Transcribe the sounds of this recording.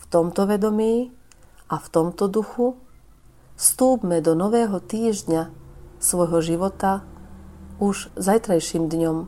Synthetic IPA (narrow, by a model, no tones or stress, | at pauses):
ft̪ɔmt̪ɔʋɛd̪ɔmiː | ʔaft̪ɔmt̪ɔd̪uxu | st̪uːbmɛd̪ɔnɔʋɛːɦɔt̪iːʒdɲasʋɔjɦɔʒiʋɔt̪a | uʒzajt̪ɾajʃiːmd̪ɲɔm